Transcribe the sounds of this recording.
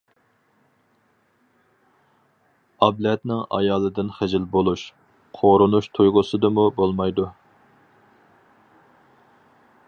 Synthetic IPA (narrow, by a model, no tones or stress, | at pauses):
ɑblɛt̪nɪŋɑ̰jɑːlˠɨd̪ɪnχɪd͡ʒɪlbolˠuʃ | qʰoɾʊnuʃt̪ʰujʁʊsɨd̪ɨmubolˠmɑjd̪u